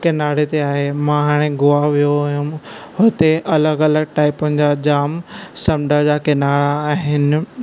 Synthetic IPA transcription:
kɪnaːɾet̪eaːɦemãɦaːɽ̃eɡʊaʋijoɦʊ̃mɦʊt̪eʔɐləɡɐləɡ̚ʈaːɪpənɪ̆d͡ʑad͡ʑaːmsɐ̃mɖəd͡ʑaːkɐnaːɾaːɦɪnɪ̆

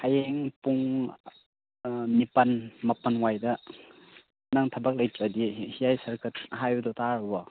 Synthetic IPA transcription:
hajeŋpuŋ | nipɐnmɐpɐnwajdɐ | naŋtʰɐbɐk̚lɐjtʰɐdihijajsɐɾkʰɐtɦajdɔtaɾɔbɔ

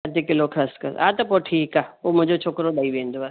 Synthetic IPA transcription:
ɐd̪ekɪlokʰaːskəɾaːt̪ɐpoʈʰiːkaːoːmʊd͡ʒot͡ʃʰoːkɾod̪aːiʋẽːnd̪oa

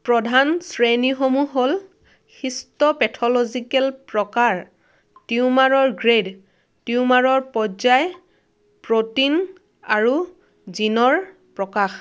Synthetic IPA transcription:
pɹɔdʱansɹenixomuɦol | xistɔpɛtʰɔlozikɛlpɹɔkaɹ | tiʊmaɹɔɹɡɹed | tiumaɹɔɹpɔzaj | pɹotin | aɹu | zinɔɹ | pɹɔkax

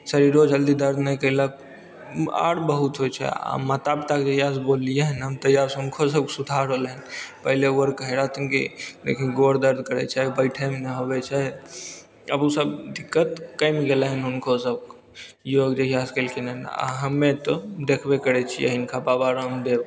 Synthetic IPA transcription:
səɾiɾod͡ʒəld̪id̪əɾd̪ʱnəjkəɪlək | a̰ɽbəɦut̪ɦojt͡ʃʰɛ̰a̰mət̪abt̪akd͡ʒejasbolijeɦənɦəmt̪əjaɾsɦunkʰosəbksud̪ʱaɾɦolɦənpəɦleuəɾkəɦeɾat̪ʰinkḭd̪ḛkʰĩɡoɽd̪əɾd̪ʱkəɾɛ̰t͡ʃʰaɦbəɪʈʰɛmneɦobɛt͡ʃʰaɦɛ | əbusəbd̪ikːət̪kəjmiɡelɦənɦunkʰosəb̚k | joɡd͡ʒejaskəlkʰenəɦna̰ɦəmːet̪ɔd̪ekʰbekəɾɛt͡ʃʰijḛɦinkʰababaɾəmd̪eb

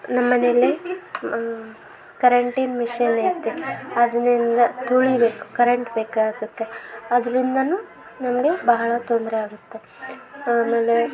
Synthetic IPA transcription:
nɐmːɐnelːi | kɐɾɐɳʈinmiʂɐneːt̪ːeɐd̪ɐnind̪ɐt̪ʰoɭibeːku̥kɐɾeɳʈbeːkaːɡd̪ɐt̪ːeɐd̪ɐɾind̪ɐnuː | nɐmɐɡe̞bɐɦɐɭɐt̪ond̪ɾeaːɡut̪ːe | aːme̞ːle̞

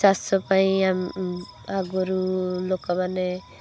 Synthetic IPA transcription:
asɔpaĩam | aɡɔɾulokamane

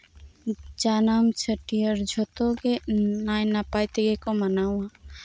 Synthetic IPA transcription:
d͡ʒaːnamt͡ʃʰəʈijəɾd͡ʒʱot̪oɡenaːjnapajt̪eɡekomənaːwã

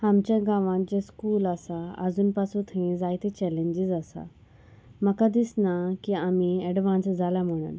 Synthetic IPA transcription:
hamt͡ɕaɡaʋãnt͡ɕeskuːlasaɐ̰zunpasut̪ʰĩĩzaːjt̪et͡ɕɛlẽɲd͡ʑizasa̰ | mɐkad̪isnakiaːmiɛɖʋãːnsd͡zalam̤əɽ̃ə̰n

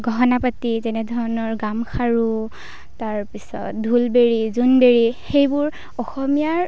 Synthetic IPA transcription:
ɡʱɔɦɔnapatizɛnɛdʱɔɹɔnɔɹɡamkʰaɹu | taɹpisɔ̰tdʱulbeɹizunbeɹixejbʊɹ | ɔxɔmijaɹ

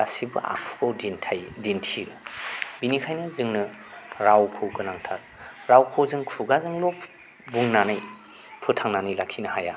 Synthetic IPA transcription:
asibɯ̰a̰kʰu̥ɡawdintʰajdintʰiɾɯbinikʰajnɯzɯŋnɯɾawkʰɯwɡɯnaŋtʰal | ɾawkʰɯwzɯŋkʰuɡazɯŋlop | buŋnanaj | pʰɯtʰaŋnanɯjlakʰinɯhaja

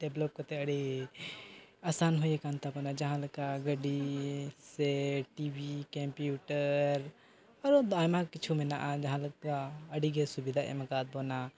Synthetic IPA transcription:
ɖeblɔp̚kɔt̪ɛəɽi | asanɦujɛkant̪abɔnad͡ʒɐɦãləkaɡəɖisɛʈibikɛmpjuʈəɾ | ɔɾɔd̪ajmãkit͡ʃʰumɛna̰ʔad͡ʒɐɦãlkaəɽiɡɛsubid̪ʱaʔɛ̰makat̪̚bɔna

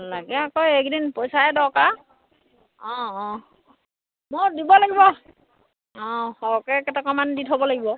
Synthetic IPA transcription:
laɡɛakɔjɛk̚dinpɔjsaɛdɔɹka | ɔ̃ | moɹdibɔlaɡibɔ | ɔ̃hɔɔkɛkɛtakamanditɦobɔlaɡibɔ

